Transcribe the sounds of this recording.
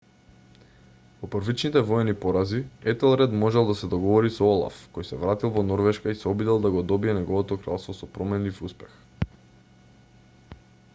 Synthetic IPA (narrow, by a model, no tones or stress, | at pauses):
pɔpəɾvit͡ʃnit̪ɛvɔjɛnipɔɾaziɛt̪ɛlˠɾɛd̪mɔʒɛlˠd̪asɛd̪ɔɡɔvɔɾisɔɔlˠa̰fkɔjsɛvɾat̪ilˠvɔnɔɾvɛʃkaisɛɔbid̪ɛlˠd̪aɡɔd̪ɔbiɛnɛɡɔvɔt̪ɔkɾa̰lˠst̪vɔsɔpɾɔmɛnlifuspɛ̥x